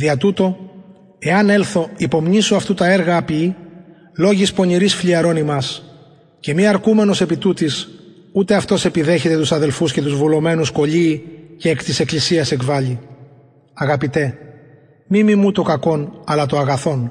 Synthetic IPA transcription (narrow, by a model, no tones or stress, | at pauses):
ðiɐt̪ut̪o̞ | e̞ɐne̞lθo̞ipo̞mɲisoɐft̪ut̪ɐe̞ɾɣɐːpi | lo̞ʝispo̞ɲiɾisfʎiɐɾo̞nimɐs | ce̞miɐɾkume̞no̞se̞pit̪ut̪is | ut̪e̞ɐft̪o̞se̞piðe̞çe̞t̪e̞t̪usɐðe̞lfusce̞t̪uzvulo̞me̞nusko̞ʎiːceːkt̪ise̞klisiɐse̞kvɐʎi | ɐɣɐpit̪e̞ | mimimut̪o̞kɐko̞nɐlɐt̪oɐɣɐθo̞n